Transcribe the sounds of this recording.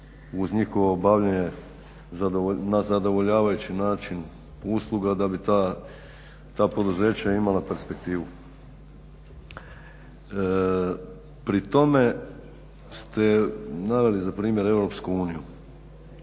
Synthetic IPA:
uzɲixo̞ʋo̞baʋʎeɲe | zad̪onazad̪o̞ʋo̞ʎaːʋajut͡ɕinaːt͡ʃin | uslˠuɡad̪abit̪a | t̪aːpo̞d̪uze̞ːt͡ɕaimalape̞ɾspe̞k̚t̪iːʋu | pɾit̪o̞me̞ | st̪e̞naʋe̞lizapɾiːmje̞ɾe̞ʋɾo̞pskuuːniju

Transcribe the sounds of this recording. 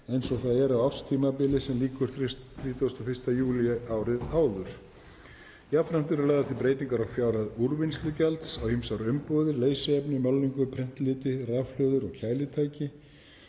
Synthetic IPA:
ejnsɔɣθaðɛɾawafst̪ʰiːmapɪlɪsɛmliːkʏɾ̥θɾiːt̪ʰuɣʏst̪ɔfɪrst̪ajuːliaːwɾɪðaːwðʏɾ̥ | jafɾam̥t̪ɪɾaɾlaːɣðat̪ʰɪlpɾeːjt̪iŋkaɾawfjaːwɾaðuɾvɪnst̪lʏcɛlt̪sawhimsawɾʏmpɔːwðɪɾleːjsɪɛpnɪmalːiŋkʏpʰɾɪn̥t̪lɪːt̪ɪravflœːðʏɾɔɣcʰaːjlɪt̪ʰaːjcɪ

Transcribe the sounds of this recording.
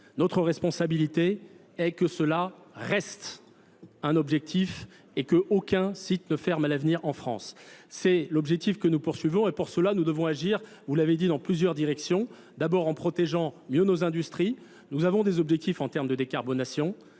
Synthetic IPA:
nɔt̪χəʁɛspɔ̃sabilit̪e | ɛkəsəlaʁɛst̪ | ɛ̃nɔbʒɛk̚t̪ʰif | ekəʔokʲɛ̃sit̪nəfɛʁmalavniʁɑ̃fχɑ̃sːɛlɔbʒɛk̚t̪ifkənupuʁsɥivɔ̃epuʁsəlanud̪əvɔ̃aʒiʁ | vulaved̪id̪ɑ̃plyzjœʁd̪iʁɛksjɔ̃ | d̪abɔʁɑ̃pχɔt̪eʒɑ̃mjønozɛ̃d̪yst̪χi | nuzavɔ̃d̪ezɔbʒɛk̚t̪ifɑ̃t̪ɛʁmd̪əd̪ekaʁbɔnasjɔ̃

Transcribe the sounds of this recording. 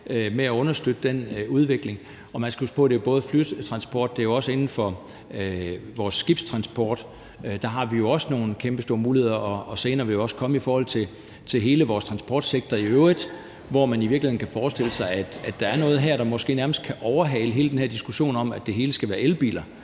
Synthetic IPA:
meæɔ̽nɐsd̥ød̥əd̥enuð̞ˠʋe̝ɡ̥le̝ŋ | ɒ̽mænsɡ̥æhusɡ̥pʰɔ̽ɾ̥e̝job̥ɔ̽ːð̞̩ˠfly̥t͡sʰʁɑ̈nsb̥ʰɒ̰ːd̥ːe̝jo̝ɒ̽səe̝nn̩fɒ̽ | ʋɒːsːɡ̥ib̥st͡sʰʁɑ̈nsb̥ʰɒːd̥ | d̥ɑ̈ɦɑ̈ʋijo̝ɒ̽səno̝ːn̩kʰemb̥əsd̥o̝ːɐmuːlihe̝ð̰ˠɐʔɒ̽ɒ̽se̝ːnɐːʋe̝ljoɒ̽sə̥kʰɒ̽məifɒːhɒ̽l̰t͡sʰe̝ | t͡sʰe̝ɦe̝ːləʋɒːst͡sʰʁɑ̈nsb̥ʰɒ̰ːd̥seɡ̥̚d̥ɐiøʊʁið̥ˠ | ʋɒmæniʋiɐɡ̥lihe̝n̩kʰæfɒːsd̥e̝l̰əsɑ̈ɪæd̥æd̥ɑ̈æɐnɔ̽ːð̞̩ˠɦæɐɾ̥ɑ̈mɒ̽sɡ̥e̝̰ːnæɐməsd̥̚kʰæʔɒʊɐɦɛɪləɦe̝ːləd̥enhɦæɐ̰d̥isɡ̥uɕo̝̰ːnɒ̽mæd̥e̝ɦe̝ːləsɡ̥æʋæːɐelb̥ḭːlɐ

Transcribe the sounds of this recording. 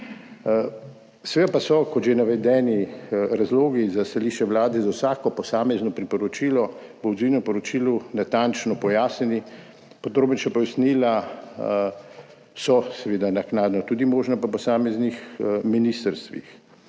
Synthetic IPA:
sɛʋed̪apasɔkɔʒenaʋɛd̪ɛːniɾazloːɡizast̪aliːʃt͡ʃɛwlaːd̪ɛzawsaːkɔpɔsaːmɛznɔpɾipɔɾɔt͡ʃiːlɔ | bɔwzinɔpɔɾɔt͡ʃiːlunat̪ant͡ʃnɔpɔjaːsnɛni | pod̪ɾoːbənʃapɔjasnila | sɔsɛʋeːd̪anaknaːd̪nɔt̪uːd̪imoːʒnapapɔsaːmɛznixminiːst̪əɾst̪ʋḭx

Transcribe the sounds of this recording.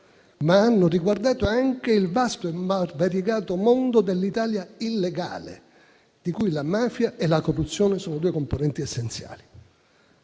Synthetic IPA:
maanːoriɡward̪aːt̪oaŋk̟eilvast̪oemarvaɾjeɡaːt̪omond̪od̪elːit̪aːljailːeɡa̰ːlḛ | d̪̥ikujlamaːfjaʔelakorːut̪sːjoːnesoːnod̪uːekomponɛnt̪iesːent̪sja̰ːli

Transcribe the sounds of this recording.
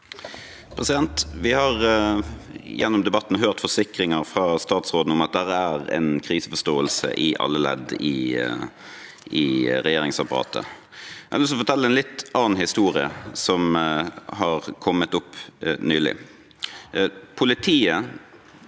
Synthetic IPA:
pʰʁɛsɪd̪ɛnt̪ʋɪhɑʁ | jɛnːʊmd̪ɛbɑt̪ːnɦøːʁt̪fɔsɪkɾɪŋəʁfʁɑːst̪ɑːt̪sʁoːd̪n̩ʊmɑt̪̚d̪æʁæʁɛ̰nkʰɾiːsəfɔʂt̪oːəlsə̰ʔɪʔɑ̰lːəlɛ̰d̪ɪ | ɪɾɛjeːɾɪŋsɑpɑɾɑ̰ːt̪ʰə̰ | ɛlːɔs̬ɔfɔɾt̪ʰɛlːəɛnlɪt̪ɑːnn̩hɪst̪uːɾɪəsɔm | hɑʁkʰɔmːət̪ʊpnyːlɪ̰ | pʰʊlɪt̪ʰiːə

